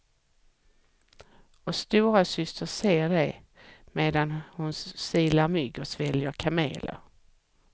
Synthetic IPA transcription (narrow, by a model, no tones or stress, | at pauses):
ɔst̪uːɾasʏst̪əseːɖɛj | meːd̪anhʊnssiːlaɾmʏɡɔsvɛljəɾkʰamḛːlə̰ɾ